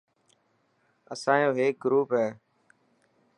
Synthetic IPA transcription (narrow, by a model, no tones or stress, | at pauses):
əsãːjõːɦeːk̚ɡɾuːpɦɛː